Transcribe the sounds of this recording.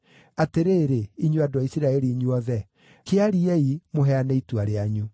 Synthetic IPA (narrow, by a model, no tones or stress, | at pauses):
ateɾeːɾeiɲoadaisiɾaɛɾiɲuɔðɛ | keaɾiɛimoɦɛanɛituaɾeaɲu